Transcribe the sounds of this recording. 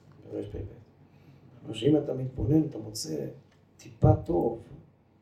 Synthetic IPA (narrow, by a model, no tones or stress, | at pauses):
beʁeʃbebet̪ | maʃeimat̪amit̪bonenat̪amot͡sḛ | t̪ipat̪ov